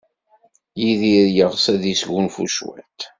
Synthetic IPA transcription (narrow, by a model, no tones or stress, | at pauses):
jiðiɾjəʁsæðisʝunfṵʃwæ̰t̪